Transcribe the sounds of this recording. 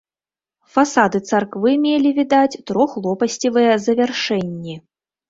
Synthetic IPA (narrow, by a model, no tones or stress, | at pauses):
fasad̪ɨt̪sarkvɨmʲelʲivʲid̪at͡sʲt̪ɾɔxlˠɔpɐsʲt͡sʲivɨjɛzɐvʲɛrʂɛnʲːi